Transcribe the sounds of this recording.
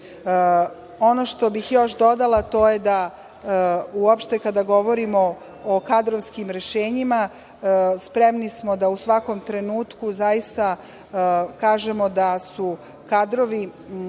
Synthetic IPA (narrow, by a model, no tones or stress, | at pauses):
o̞noʃt̪o̞bixjo̞ʃd̪o̞d̪alat̪o̞jed̪a | uopʃt̪e̞kad̪aɡo̞ʋo̞ɾimo | okad̪ɾoʋskimɾe̞ʃeːɲima | spɾemnismo̞d̪ausʋako̞mt̪ɾe̞nuːt̪kuzajist̪a | kaːʒemo̞d̪asu | kad̪ɾo̞ʋi